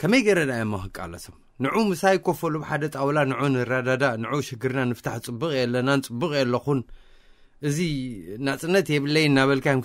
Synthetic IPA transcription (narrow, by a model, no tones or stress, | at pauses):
kʰɐmɐjɡɐɾɐd̪ajomːaxɨkʼa̰lːɐ̰t̪ʰom | nɨʕumɨsajkʰofɐlubħad̪ɐt̪ʼawlanɨʕunɨɾad̪ad̪anɨʕuʃɪɡɨɾnanɨft̪ʰaħt͡sʼɨbːɨχʼjɛlːɐnanɨt͡sʼɨbːɨkʼjɛlːɐxun | ʔɨzinat͡sʼɨnːɐt̪jɛβɨlːɐjnːaβɐlkʰajm